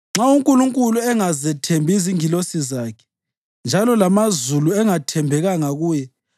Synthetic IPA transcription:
ŋ͡ǁauŋkʼuluŋkʼuluɛŋazɛtʰembʱiziŋilosizaːkʰɛ̥ | nd͡ʒʱalɔlamazuluɛŋatʰɛmbʱɛɣaŋaɣuːjɛ

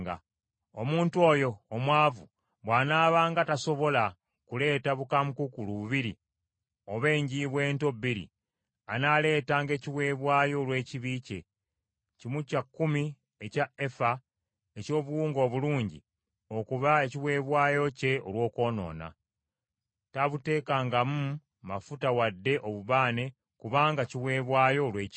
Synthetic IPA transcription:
ɡa̰ | omuːntuo̞ːjo̞ːmwaːvu | βwaːnaːβaːŋɡataso̞βo̞la | kule̞ːtaβukamukukuluβuβiɾi | oβe̞ːɲɟiβwe̞ːnto̞biɾḭ | anale̞ːtaːŋɡe̞ːciβwe̞ːβwaːjo̞lwe̞ːciβiːce̞̰ | cimucakːumi | ecae̞fa | e̞co̞ːβuwuːŋɡo̞ːβuluːɲɟḭ | o̞kuβae̞ciβwe̞ːβwaːjo̞ce̞o̰lwo̞ːko̞ːno̞̰ːna̰ | taβute̞ːkaːŋɡamu | mafutawadːe̞ʔo̞βuβaːne̞ | kuβaːŋɡaciwe̞ːβwaːjo̞ːlweːc

